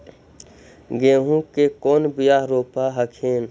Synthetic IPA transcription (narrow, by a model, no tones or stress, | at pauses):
ɡẽːɦũkekoːnbijaːɦɾoːpaɦəkʰeːn